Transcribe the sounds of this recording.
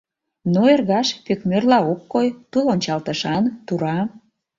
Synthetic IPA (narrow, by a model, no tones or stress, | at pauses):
noerɣɑʃpøkmørlɑokːojt̪ulonʲt͡ɕɑlt̪ə̆ʃɑnt̪uɾɑ